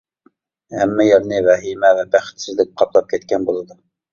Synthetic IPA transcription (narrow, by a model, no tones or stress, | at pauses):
hɛmːɛjɛlnɨvɛɦimɛvɛbæχɪ̥t̪sɪzlɪk̚ʲqʰɑplˠɑp̚kʲʰɛt̪kʲʰɛnbolˠɨd̪u